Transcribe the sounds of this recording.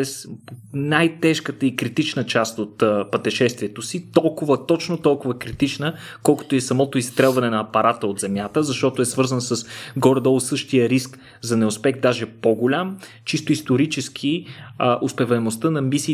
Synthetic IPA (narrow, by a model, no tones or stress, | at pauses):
ɛsnajt̪ɛʃkət̪əikɾit̪it͡ʃnət͡ʃast̪ot̪ːpɐt̪ɛʃɛst̪viɛt̪osit̪ɔlˠkʊvət̪ɔt͡ʃnot̪ɔlˠkʊvəkɾit̪it͡ʃnə | kɔlˠkə̥t̪ʊɛsɐmɔt̪ʊist̪ɾɛlˠvɐnɛnɐːpɐɾat̪əod̪zɛmjat̪əzɐʃt̪ɔt̪oɛsvɤɾzənsɐsɡɔɾd̪ɔlˠsɤʃt̪ijəɾisk | zɐnɛʊspɛxd̪aʒɛpoɡʊlʲam | t͡ʃist̪ʊist̪oɾit͡ʃɛsk̟ʰiəʔʊspɛvɐnost̪ənɐmisiː